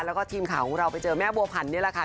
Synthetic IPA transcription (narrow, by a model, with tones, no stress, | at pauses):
lɛ˦˥wkɔː˥˩t̪ʰiː˧mkʰaː˨˩˦wkʰɔ˨˩˦ŋɾa˧wpa˧jt͡ɕɤː˧mɛː˦˥˩bu˧ɐpʰa˨˩˦nːi˦˥ɐla˨˩kʰa˦˥˩